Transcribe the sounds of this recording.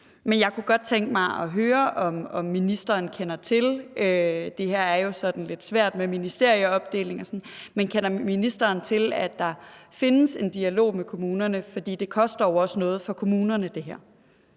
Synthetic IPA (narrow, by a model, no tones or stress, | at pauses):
menjɑ̈ɪkʰuɡ̥ɒ̽d̥̚t͡sʰeŋɡ̥mɑ̈ɪɒ̽ɦøːɐʔɒ̽mɒ̽mːinisd̥ɐːnkʰenɐt͡sʰe̝lød̥e̝hæɐ̰æɐjo̝sɒ̽d̥n̩le̝d̥sʋæɐ̰d̥meminisd̥e̝ɐ̰jəɒ̽b̥̚d̥e̝̰ːle̝ŋɒ̽sɒ̽nmenkʰenɐminisd̥ɐːn̩t͡sʰe̝læd̥ːɑ̈fe̝nəse̝nd̥iælo̝̰ːmekʰo̝muːnɐnəfɒ̽d̥ḭːd̥e̝kʰɒ̽sd̥ɐjoɒ̽sənɔ̽ːð̞̩ˠfɒ̽kʰo̝muːnɐnəd̥e̝ɦæɐ̰